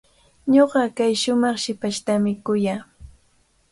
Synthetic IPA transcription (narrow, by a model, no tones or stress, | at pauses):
ɲoɢɑkajʃʊmɑχʃɪpaʃt̪amɪkʊjaː